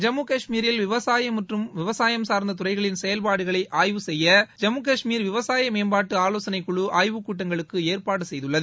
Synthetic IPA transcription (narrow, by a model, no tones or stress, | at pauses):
d͡ʒɐmːukɐʂmiːɾɪlʋɪʋɐsaːjɐmɐʈrɯmʋɪʋɐsaːjɐmsaːɾnd̪ɐt̪̬ʊrɐɪɣɐɭɪnsɛjɐlpaːɽɯɣɐɭɐɪʔaːjʋɯsɛjːɐd͡ʒɐmːuk̬ɐʂmiːɾʋɪʋɐsaːjɐmeːnbaːʈːɯaːloːsɐnɐɪkːʊɭuʔaːjʋɯkuːʈːɐŋɡɐɭɯkːɯeːrpaːɽɯsɛjðɯɭːɐðɯ